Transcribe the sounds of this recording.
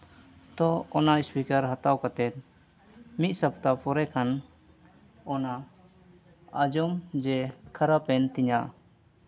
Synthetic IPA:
t̪ɔɔnaispikəɾɦat̪awkat̪ɛt̪̚ | mit̪̚ˀsapt̪apʰɔɾɛkʰan | ɔna | ad͡ʒɔmd͡ʒɛkʰaɾapɛnt̪iɲa

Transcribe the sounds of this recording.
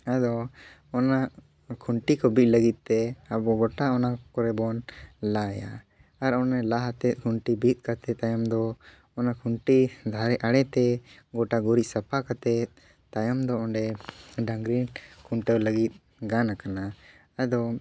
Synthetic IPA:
ad̪ɔ | ɔnaʔ | kʰuɳʈikɔbit̪̚ləɡit̪̚ːt̪ɛabɔɡɔʈaɔnakɔɾɛbɔnlaja̰ | aɾɔnɛlaɦat̪ɛt̪̚ˀkʰuɳʈibit̪̚ˀkat̪ɛt̪ajɔmd̪ɔ | ɔnakʰuɳʈid̪ʱaɾɛʔaɽɛt̪ɛɡɔʈaɡɔɾiˀsapʰakat̪ɛ | t̪ajɔmd̪ɔɔɳɖɛɖaŋɡɾinkʰuɳʈɛwləɡit̪̚ˀ | ɡanakana | ad̪ɔ

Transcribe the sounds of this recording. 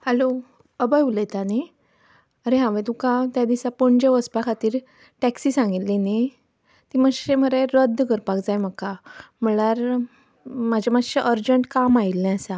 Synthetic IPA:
hɛlo | əbəjuləjt̪ani | əɾeɦãʋẽt̪ũkãt̪jad̪isapɔɳd͡ʑeʋəspakʰat̪iːɾ | ʈɛksisãŋɡit̪line | t̪iməɕem̤əɾeɾəd̪ːkəɾpakd͡zajməkam̤əɭaɾ | mad͡ʑʱamaɕeʔəɾd͡ʑəɳʈkamailːɛ̃əsa

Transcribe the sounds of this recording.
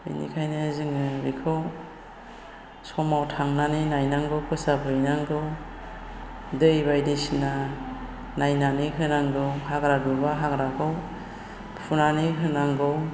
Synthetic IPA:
bḭnḭkʰajnɯzɯŋɯbikʰɯw | sɔmawtʰaŋnaninajnaŋɡɯwkʰɯsapʰɯjnaŋɡɯw | dɯjbajdesina | najnaniɦɯnaŋɡɯwhaɡɾadubaɦaɡɾakʰɯw | pʰunaniɦɯnaŋɡɯw

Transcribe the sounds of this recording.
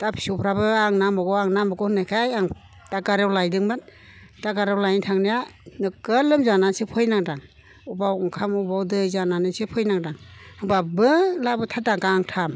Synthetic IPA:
tapʰi̥supʰɾabɯaŋnamɔɡɔaŋnamɔɡɔnakʰajaŋ | d̥aɡaɾewlajdɯŋmat | d̥aɡaɾewlajntʰaŋnijanɯkɯlɯmzanasɯpʰɯjnaŋdaŋ | ubawŋkʰamubawdɯzananɯsɯpʰɯjnaŋdaŋɯŋbabɯlabɯtʰadaɡaŋtʰam

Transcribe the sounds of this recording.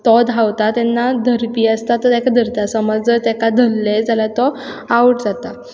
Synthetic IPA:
t̪ɔd̪ʱawt̪at̪ɛnːad̪ʱəɾpiːəst̪at̪ɔt̪ɛkad̪ʱəɾt̪asəməd͡zət̪ɛkad̪ʱəlːed͡zalat̪ɔawəʈd͡zat̪a

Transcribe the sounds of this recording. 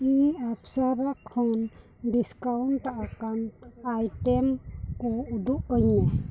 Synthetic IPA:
iapsaɾakʰɔn | ɖiskawnʈaʔakanajʈɛmkɔud̪uʔ̚əɲa

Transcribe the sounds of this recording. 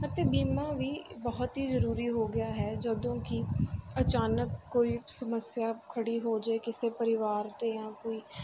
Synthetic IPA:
ət̪eːbiːmãːʋiːbəɦɔt̪ɦiːzəɾuːɾiːɦoːɡɪjaːɦɛːd͡ʒəd̪õːkiət͡ʃaːnəkːoːiːsəməsjaːkʰəɽiːɦoːd͡ʒaːekɪseːpəɾɪʋaːɾt̪eːjãːkoːiː

